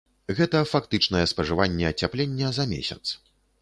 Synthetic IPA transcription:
ɣɛt̪ɐfakt̪ɨt͡ʂnɐjɛspɐʐɨvanʲːɛɐt͡sʲaplʲenʲːɐzɐmʲḛsʲɐ̰t̪s

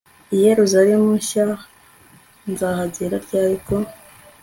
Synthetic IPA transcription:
ijeɾuzaɾemuʃa | nzaːɦaziɾaɾɟaːɾiko

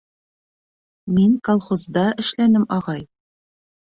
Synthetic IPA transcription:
miŋkolˠχozd̪ɑɘ̆ʃlænɘmɒʁɑj

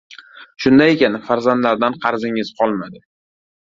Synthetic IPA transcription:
ʃʊnd̪ajekʲanfaɾzand̪laɾd̪anqʰɑɾzɪŋɪzqʰɒlˠmad̪ɪ

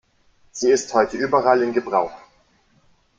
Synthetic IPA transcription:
z̥iːɪsthɔʏtəʔyːbɐʁalɪnɡəbʁaʊx

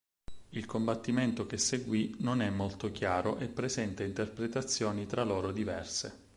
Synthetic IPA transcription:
ilkombat̪ːiment̪okesːeɡwinonɛmːolt̪ok̟jaːɾoʔepːɾezɛnt̪aint̪erpɾet̪at̪sːjɔːnit̪ɾaloːɾod̪ivɛ̰rsḛ

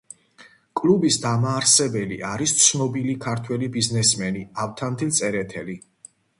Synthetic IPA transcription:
kʼlubisd̪amaːɾsɛbɛlḭʔaɾist̪sʰnɔbilikʰaɾt̪ʰwɛlibiznɛsmɛniaft̪ʰant̪ʰilt̪sʼɛɾɛt̪ʰɛli

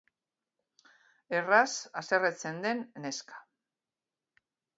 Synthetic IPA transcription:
e̞rasaseret͡se̞nd̪e̞nne̞skḁ

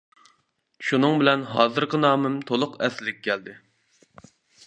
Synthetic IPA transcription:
ʃunɨŋbɪlɛnɦɑ̰ːzɨɾqənɑːmɪmt̪ʰolˠʊqɛsɪlɪk̚ʲkʲʰːɛld̪ɪ

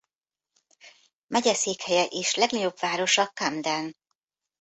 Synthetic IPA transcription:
mɛɟɛseːkhɛjɛʔeːʃlɛɡnɒɟo̞bvaːɾo̞ʃɒkamd̪ɛn

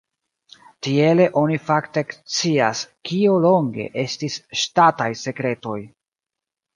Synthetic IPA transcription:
tie̞le̞ʔo̞nifakte̞kt͡siaskio̞lo̞ŋɡe̞̰ʔe̞stisʃtatajse̞kɾe̞to̞j

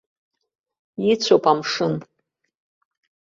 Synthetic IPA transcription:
jit͡sʷʰopʼamʂɨn

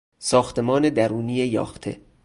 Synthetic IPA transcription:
sɒːxt̪ʰe̞mɒːne̞d̪æɾuːniːjejɒ̰ːft̪ʰe̞̰

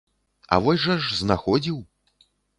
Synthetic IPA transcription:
ɐ̰vɔsʲʐɐʐznaxɔd͡zʲiw

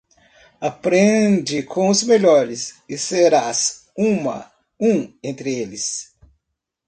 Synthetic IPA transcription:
apɾẽd͡ʒɪkʰõʊzmeʎɔɾɪsɪseɾas | ũmɐ̰ | ũẽnt̪ɾɪelɪs

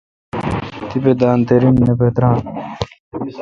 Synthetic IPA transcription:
t̪iped̪aːnt̪eɾinːepet̪ɾaːn

